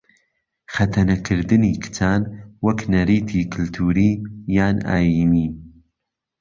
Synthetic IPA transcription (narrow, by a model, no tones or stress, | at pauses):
xɐt̪ʰɐnɐkʰɨɾd̪ɨniːkʰɨ̥t͡sʰaːnwɐknɐɾiːt̪ʰiːkʰʊlt̪ʰuːɾiːjaːna̰ːjiːniː